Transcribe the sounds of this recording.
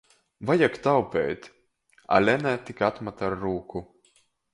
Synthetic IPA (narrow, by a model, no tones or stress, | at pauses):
vajakt̪awpʲɛ̰ːt̪ʲ | a̰lʲɛnæt̪ikat̪mat̪aɾːuːku